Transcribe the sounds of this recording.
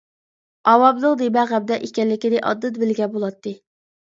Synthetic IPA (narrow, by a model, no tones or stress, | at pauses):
ɑwɑblˠəqd̪ebɛʁæb̚d̪ɛʔekʲɛllːɪkʲid̪ɪʔɑ̰d̪ːɨt̪̚bɪlɡʲɛbolˠɑt̪ːɨ